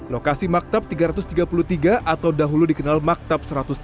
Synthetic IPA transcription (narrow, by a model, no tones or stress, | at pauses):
lokasimak̚t̪ap̚t̪iɡaɾat̪ʊst̪iɡapulut̪iɡaʔat̪awdaɦuludikənalmak̚t̪ap̚səɾat̪ʊs